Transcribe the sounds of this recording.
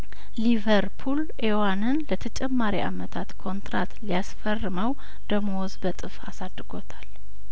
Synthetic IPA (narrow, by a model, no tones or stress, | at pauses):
livəɾpʰul | ʔewanɨnlət̪ʰət͡ʃʼɛmːaɾiʔa̰mət̪ʰat̪kʰo̞nt̪ɾa̰t̪lijasfərːɨməw | d̪əmowɔzbət̪ʼɨfasad̪ːɨɡo̞t̪ʰḁl